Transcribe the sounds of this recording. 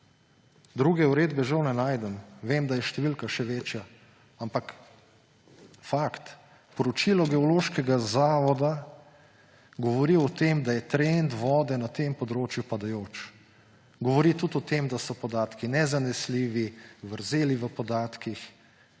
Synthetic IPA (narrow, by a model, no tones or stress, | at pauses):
d̪ɾuːɡɛuɾeːd̪bɛʒɐwnɛnaːjd̪ɛmʋemd̪ajɛʃt̪ɛʋilkaʃɛʋet͡ʃja | ampak | fakt̪ | pɔɾɔt͡ʃilɔɡɛɔloʃkɛɡazaːʋɔd̪a | ɡɔʋɔɾiɔt̪emd̪ajɛt̪ɾend̪ʋɔːd̪ɛnat̪empɔd̪ɾoːt͡ʃjupad̪ajoːt͡ʃ | ɡɔʋɔɾit̪ut̪ɔt̪emd̪asɔpɔd̪aːt̪kinɛzanɛsliːʋiʋəɾzeːliʋəpɔd̪aːt̪kix